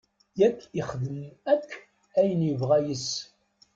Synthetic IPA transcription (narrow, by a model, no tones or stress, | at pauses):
jækʰːɪχðəmækʰː | æjənjəvʁæjəs